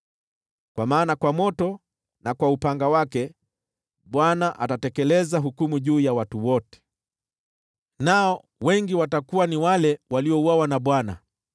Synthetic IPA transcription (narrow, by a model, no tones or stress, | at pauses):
kwamaːnakwamɔtɔ | nakwaupaŋɡawakɛ | ɓwanaʔatatɛkɛlɛzaɦukumuʄuːjawatuwɔtɛ̥ | naɔ | wɛŋɡiwatakuwaniwalɛwaliɔuwawanaɓwana̰